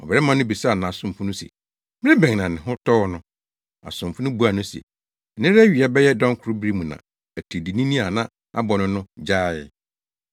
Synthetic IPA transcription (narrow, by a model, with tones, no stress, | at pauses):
ɔ̰˨bɛ˨ɾɛ˦mã˦n˦ʊ̃˦bi˨sa˦a˨nã˨a˨sʊ̃˦m˨fʊ˦nʊ̃˦sɛ̰˨ | m˦ɾɪ̃˦bɛ̃˨ŋnã˨nɪ̃˨ɦʊ˦tʰɔ˦ɔ˦nʊ̃˦ | a̰˨sʊ̃˨m˨fʊ˦nʊ̃˦bu˨˦a˨nʊ̃˦sɛ̰˨ | nɪ̃˦ɾɛ˦ɥi˨a˨bɛ˦jɛ˦dɔ̃˦ŋ˦kʰʊ˨ɾʊ˦bɾi˦mũ˨nã̰˨ | æ˨tʰe˨di˨nĩ˦nĩ˦a˨nã˦ | a̰˦bɔ˨nʊ̃˦nʊ̃˦d͡ʑaː˦˨ɪ˨